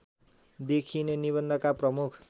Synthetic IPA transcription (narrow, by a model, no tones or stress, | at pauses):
d̪ekʰineniβʌnd̪ʌkaprʌmukʰ